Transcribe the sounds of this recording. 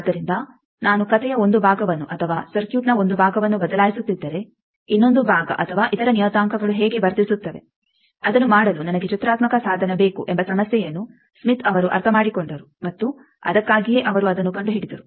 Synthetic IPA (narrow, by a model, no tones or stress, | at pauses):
d̪ːɐɾind̪ɐ | naːnukɐt̪ʰɛjɐo̞nd̪ubʱaːɡɐʋɐnːuʔɐt̪ʰɐʋaːsɐɾkjuːʈnɐo̞nd̪ubʱaːɡɐʋɐnːubɐd̪ɐlaːjisut̪ːid̪ːɐɾe̞ | inːo̞nd̪ubʱaːɡɐ̰ʔɐt̪ʰɐʋaːʔit̪ɐɾɐnijɔːt̪aːŋkɐɡɐɭuɦeːɡe̞bɐɾt̪isut̪ːɐʋe̞̰ | ɐd̪ɐnːumaːɽɐlunɐnɐɡet͡ʃut̪ɾaːt̪mɐkɐsaːd̪ʱɐnɐbe̞ːkuʔɛmbɐsɐmɐsjɛjɐnːu | smit̪ɐʋɐɾuʔɐ̰ɾt̪ʰɐmaːɽikoɳɖɐɾumɐt̪ːu | ɐ̰d̪ɐkːaːɡijeːʔɐʋɐɾuɐd̪ɐnːukɐɳɖuɦeːɽid̪ɐɾu